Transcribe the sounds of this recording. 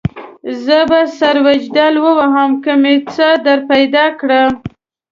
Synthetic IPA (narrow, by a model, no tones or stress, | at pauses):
zəbasaɾwad͡ʒd̪alwəwaɦəmkəmet͡səd̪aɾpajd̪ɑkɽəm